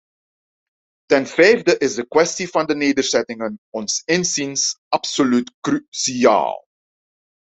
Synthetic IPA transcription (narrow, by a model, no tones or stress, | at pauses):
tɛnvɛjvdəʔɪzdəkwɛstivɑndəneːdəɹzɛtɪŋənɔnsɪnzinsɑpsolytkrysia̰ːlˠ